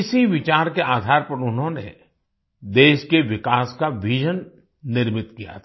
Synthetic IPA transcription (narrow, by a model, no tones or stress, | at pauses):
ɪsiʋɪt͡ʃaːɾkeaːd̪ʱaːɾpɐɾʊnɦõnḛ | d̪eːʃkeʋɪkaːskaʋɪʒənː | ɪɾmɪt̪kija̰t̪ʰː